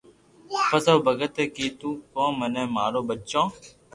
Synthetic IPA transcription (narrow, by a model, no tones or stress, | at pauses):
pət̪oːbʱəɡət̪eːkiːt̪ũːkõːmənẽːmaːɾoːɓət͡ʃõː